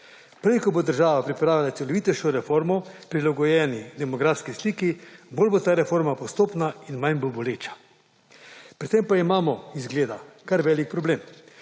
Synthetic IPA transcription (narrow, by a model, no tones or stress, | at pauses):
pɾɛjkɔbod̪əɾʒaːʋapɾipɾaːʋilat̪sɛlɔʋit̪ɛʃɔɾɛfoːɾmɔpɾilaɡɔjɛːnid̪ɛmɔɡɾafskisliːkiboːlbot̪aːɾɛfoɾmapɔst̪oːpnainmaɲbolboleːt͡ʃḁ | pɾit̪empaimaːmɔizɡleːd̪akaɾʋɛːlik̚pɾɔbleːm